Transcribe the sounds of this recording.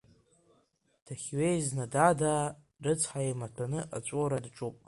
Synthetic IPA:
tʰaχʲɥejznadada | rɨt͡sʷʰʼħaematʷʰanɨʔat͡ʃʷʼoɾadʈ͡ʂʼupʼ

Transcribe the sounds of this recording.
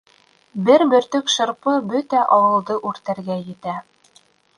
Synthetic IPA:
bɘɾbɵ̆ɾt̪ɵkʃɤ̆ɾpɤbɵt̪æʔɑwɤ̆lˠd̪ɤʔʉɾt̪æɾɡæjɘ̆t̪æ

